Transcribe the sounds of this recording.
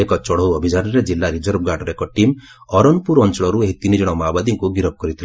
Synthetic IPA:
ekɔt͡ʃɔɽɔwɔbʱid͡ʒanɔɾed͡ʒilːaɾid͡ʒɔɾp̚ɡaɖɔɾekɔʈim | ɔɾɔnpuɾɔnt͡ʃɔɭɔɾueɦt̪inid͡ʒɔɽ̃ɔmabad̪iŋkuɡiɾɔp̚kɔɾit̪ʰil

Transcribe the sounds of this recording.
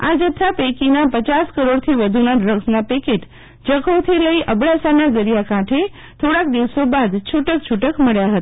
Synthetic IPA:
ad͡ʒət̪ʰːapekinapət͡ʃaskəɾoɽt̪ʰiʋəd̪ʱunaɖɾəɡsnapekeʈ | d͡ʒəkʰot̪ʰiləiʔəbɽasanad̪əɾijakãʈʰe | t̪ʰoɽak̚d̪iʋsobad̪t͡ʃʰuʈək̚t͡ʃʰuʈəkməɭjaɦət̪a

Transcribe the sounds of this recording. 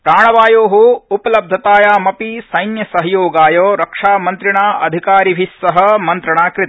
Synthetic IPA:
pɾaːɳɐʋaːjoːɦuupɐlɐb̚d̪ʱɐt̪aːjaːmɐpisɐjnjɐsɐɦɐjoːɡaːjoːɾɐkʂaːmɐnt̪ɾiɳaːɐd̪ʱikaːɾibʱisːɐɦɐ̆mɐnt̪ɾɐɳaːkɾɪt̪

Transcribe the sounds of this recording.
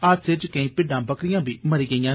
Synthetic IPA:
aset͡ʃkə̃ĩːpɪɖãːbəkɾɪjãːbiːməɾiːɡəijãː

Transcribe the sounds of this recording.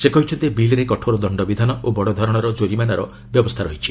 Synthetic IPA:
sekɔɦit͡ʃʰɔnt̪ibilɾekɔʈʰoɾɔd̪ɔɳɖɔbid̪ʱanɔʔobɔɽɔd̪ʱɔɾɔɽ̃ɔɾɔd͡ʒoɾimanaɾɔ | bjɔbɔst̪ʰaɾɔɦit͡ʃʰi

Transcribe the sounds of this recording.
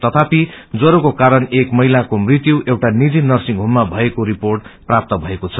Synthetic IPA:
t̪ʌt̪ʰapi | d͡zʌɾokokaɾʌnekmʌɦjlakomrit̪juʔewʈanid͡zinʌrsiŋɡɦumːabʱʌekoɾiporʈprap̚t̪ʌbʱʌekot͡sʰʌ̥

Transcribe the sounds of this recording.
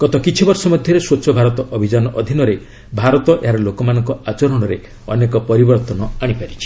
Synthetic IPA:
ɡ̥ɔt̪ɔkit͡ʃʰibɔɾsɔmɔd̪ʱjɔɾeswot͡ʃʰɔbʱaɾɔt̪ɔʔɔbʱid͡ʒanɔʔɔd̪ʱinɔɾe | bʱaɾɔt̪ɔʔeɦaɾɔlokɔmanɔŋkɔat͡ʃɔɾɔɽ̃ɔɾe | ɔnekɔpɔɾibɔɾt̪ɔnɔaɽ̃ipaɾit͡ʃʰi̥

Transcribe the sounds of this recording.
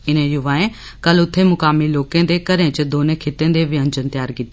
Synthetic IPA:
ɪnẽjʊʋaːẽ | kɐlʊt̪ʰːemʊkaːmiloːkẽːnd̪ekɐɾẽt͡ʃɪd̪oːnekʰet̪ẽːnd̪eʋɪə̃ɲd͡ʒənt̪ɪjaːɾkɪt̪e

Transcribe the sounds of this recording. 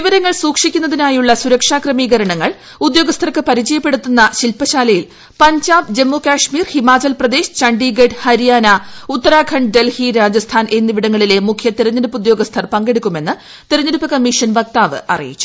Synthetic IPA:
ʋiʋɐɾɐŋːɐɭsuːkʂikʲːunːɐðinaːjuɭːɐsuɾɐkʂaːkrɐmiːɡɐɾɐɳɐŋːɐɭ | ud̪jo̞ːɡɐst̪ʰɐrkɨpɐɾid͡ʑɐjɐpːe̞ɽut̪ːunːɐɕilpɐɕaːlɐjil | pɐɲd͡ʑaːbd͡ʑe̞mːoːkaːʂmiːrhimaːt͡ɕɐlprɐd̪e̞ːɕt͡ɕɐɳɖiːɡeɖhɐɾijaːnɐut̪ːɐɾaːkʰɐɳɖɖe̞lhiɾaːd͡ʑɐst̪ʰaːnʔe̞nːiʋiɽɐŋːɐɭile̞mukʰjɐt̪iɾɐɲːɐɾupːud̪jo̞ːɡɐst̪ʰɐrpɐŋɡe̞ɽukʲːume̞nːɨ | t̪iɾɐɲːɐɾupːɐkɐmːiʂɐnʋɐk̚t̪aːʋɨ̰ʔɐ̰rḭjḭt͡ɕːu̥

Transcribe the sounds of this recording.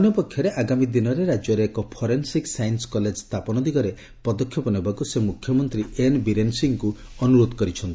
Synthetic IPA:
ɔnjɔpɔkʰːjɔɾeʔaɡamid̪inɔɾeɾad͡ʒjɔɾeːkɔpʰɔɾensiksajnskɔled͡ʒst̪apɔnɔd̪ikɔɾe | pɔd̪ɔkʰːjɔpɔnibakusemukʰjɔmɔnt̪ɾienbiɾensiŋku | ɔnuɾod̪ɔkɔɾit͡ʃʰɔnt̪i

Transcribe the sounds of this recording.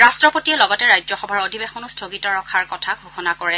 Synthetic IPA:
ɹastɹɔpotiɛlɔɡɔtɛɹajd͡ʒzɔxɔbʱaɹodʱibexɔnustʰoɡitɔɹɔkʰaɹkɔtʰaɡʱuxɔnakɔɹɛ

